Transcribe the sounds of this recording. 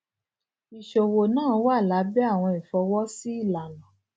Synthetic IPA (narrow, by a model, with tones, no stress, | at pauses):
i˨ʃo˨wo˨nãː˦wa˦˨la˨˦bɛ˦a˦˨w̃ɔ̃˧i˨fɔ˧wɔ˦si˦i˦˨la˨lɔ̃˨